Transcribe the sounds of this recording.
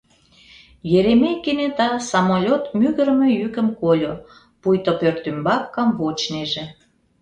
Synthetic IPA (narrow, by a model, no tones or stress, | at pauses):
jeɾemejkːenet̪ɑsɑmolʲot̪myɣə̆ɾmejykə̆mkolʲo | pujt̪opørt̪ymbɑkːɑmvot͡ɕneʒe